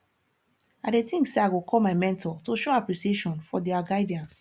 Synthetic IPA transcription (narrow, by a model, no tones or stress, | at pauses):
adetĩŋkseaɪɡokʰɔlmaɪmɛ̃ntʰɔtoʃoapɾisieʃɔ̃nfɔdɛaɡaɪdãns